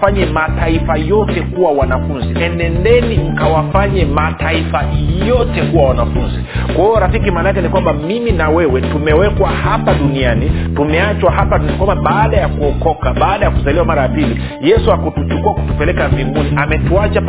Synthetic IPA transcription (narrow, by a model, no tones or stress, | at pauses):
faɲɛmataifajɔtɛkuwawanafunziɛndɛndɛniŋ̩kawafaɲɛmataifajɔtɛkuwawanafunzi | kwahiɔɾafikimaːnaakɛnikwambamiminawɛwɛtumɛwɛkwahapaɗuniani | tumɛat͡ʃwahapankwambaɓaːɗajakuɔkɔkaɓaːɗajakuzaliwamaɾajapili | jɛsuakutut͡ʃukuwaku̥tupɛlɛkaviŋɡuniʔamɛtuat͡ʃa